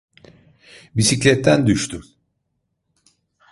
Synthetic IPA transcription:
bisiclʲɛt̪ʰːænd̪yʃt̪ʰym

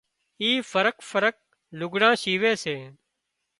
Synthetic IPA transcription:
iːfəɾəkfəɾək̚ | lʊɡɽãːʃiːʋeːseː

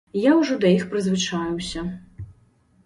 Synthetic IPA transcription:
jawʐɔd̪ɐixpɾɨzvɨt͡ʂajuwsʲɐ

